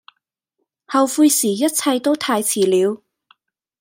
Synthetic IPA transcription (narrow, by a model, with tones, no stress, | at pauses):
hɐ˨wfuː˧jsiː˨˩jɐ˥t̚t͡sʰɐ˧jt̪o˥wt̪ʰaː˧jt͡sʰiː˨˩liː˨˧w